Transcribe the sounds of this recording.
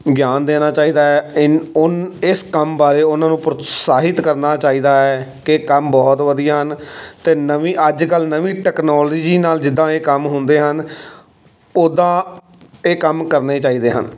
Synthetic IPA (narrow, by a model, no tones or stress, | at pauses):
ɡɪjaːnd̪eːnaːt͡ʃaːiːd̪aːɛːɪʊnɪskəmbaːɾeːʊnãːnũːpɾʊsaːɦɪt̪kəɾnaːt͡ʃaːiːd̪aːɛːkɪkəmbɔːt̪ʋəd̪ijaːɦənt̪eːnəʋiːʔəd͡ʒkəlnəʋiːʈɛːknɔːlɔːd͡ʒiːnaːld͡ʒɪd̪ːãːeːkəmɦʊ̃nd̪eːɦən | oːd̪ãː | eːkəmkəɾneːt͡ʃaːiːd̪eːɦə̰n